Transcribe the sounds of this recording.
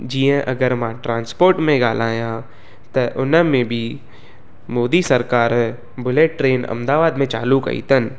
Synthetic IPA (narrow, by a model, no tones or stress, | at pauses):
d͡ʒiːə̃ʔɐɡəɾmãːʈɾãːnspoːɾʈmẽɡaːlaːjã | t̪ɐʔʊnəmẽbʱi | moːd̪isɐɾkaːɾ | bʊleːʈːɾeːnɐ̰̃md̪aːʋaːd̪mẽt͡ʃa̰ːlukɐ̰ḭt̪ʰən